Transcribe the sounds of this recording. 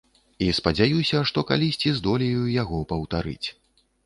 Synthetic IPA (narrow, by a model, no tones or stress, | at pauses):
ispɐd͡zʲajusʲɐʂt̪ɔka̰lʲisʲt͡sʲizd̪ɔlʲijujaɣɔpɐwt̪aɾɨ̰t͡sʲ